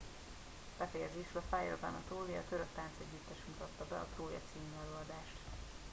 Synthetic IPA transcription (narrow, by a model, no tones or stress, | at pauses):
b̥ɛfɛjɛzeːʃyɒfaːjo̰ɡɒ̰nɒt̪oːlijɒ̰t̪øɾøk̚t̪aːnt̪sɛɟːyt̪ːɛʃmut̪ɒt̪ːɒbɛɒ̰t̪roːjɒ̰t̪siːmyɛløːɒd̪aːʃt̪